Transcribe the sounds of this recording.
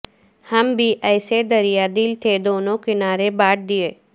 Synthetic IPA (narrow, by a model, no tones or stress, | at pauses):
hɐmbʱiʔɛːsed̪ɐɾijad̪ɪlt̪ʰed̪oːnõkɪnaːɾebaːʈ̚d̪ɪeː